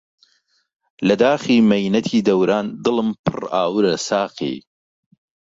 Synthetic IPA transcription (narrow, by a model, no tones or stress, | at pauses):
lɐd̪aːxiːmɐjnɐt̪ʰiːd̪ɐwɾaːnd̪ɨlˠɨmpʰɨ̰raːwɨɾɐsaːqḭː